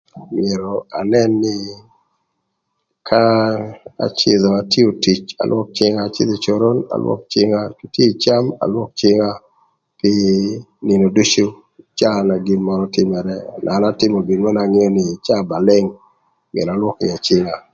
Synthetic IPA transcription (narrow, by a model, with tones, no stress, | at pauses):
mɪ˨e˨ɾɔa̰˨nɛ˦nːɪ˦ | kʰa˦ | a̰˨t͡ʃe˨ðɔ˨a˨tjo˨ti˨t͡ʃa̰˨lwɔ˦k̚t͡ʃɪ˦ŋa˦˨t͡ʃɪ̰˦d̪e˨t͡ʃoɾo˦na̰˨lwɔ̰˦k̚t͡ʃɪ˦ŋa˦pi˦tje˦t͡ʃa˦ma̰˨lwɔ˦k̚t͡ʃɪ˦ŋa˦ | pɪ˦nɪ˨no˨du˦t͡ʃu˦ | t͡ʃa˦na˨ɡɪ˨nmɔɾɔtɪ˦mɛ˨ɾɛna˨˦na˦tɪ˦mɔ˨ɡi˨nma˦na˨ŋɪ˦o˦nɪ˨t͡ʃa˦˨ba˨lɪ˦ŋ | mɪ̰˨ḛ˨ɾa˨lwɔ˦kɪ̰˨a˨t͡ʃɪ˦ŋa˨